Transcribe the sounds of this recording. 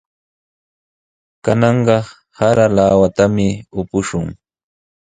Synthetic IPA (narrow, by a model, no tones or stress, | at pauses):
kanɑɴɢɑ | haɾalawat̪amɪʊpʊʃʊŋ